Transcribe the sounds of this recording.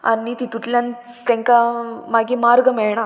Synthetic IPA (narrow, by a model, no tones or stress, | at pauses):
a̰nit̪it̪ut̪ljan | t̪ẽŋkamaɡimaɾɡəmɛɭɳa